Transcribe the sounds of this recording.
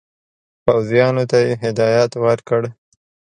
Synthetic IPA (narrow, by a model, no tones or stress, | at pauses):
pawzijɑnot̪ajeɦɪd̪ɑjɑt̪wəɾkəɽ